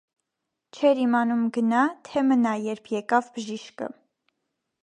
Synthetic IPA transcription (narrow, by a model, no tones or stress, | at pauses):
t͡ʃʰɛɾimɑnumɡənɑt̪ʰɛmənɑjɛɾpʰjɛkɑvbəʒiʃkə̰